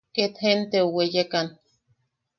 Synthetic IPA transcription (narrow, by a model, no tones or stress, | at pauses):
ket̪hent̪eowejekan